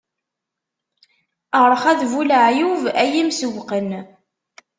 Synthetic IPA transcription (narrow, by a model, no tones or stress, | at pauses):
əʁɾˤəχæðvulʕjuvæjimsəwqən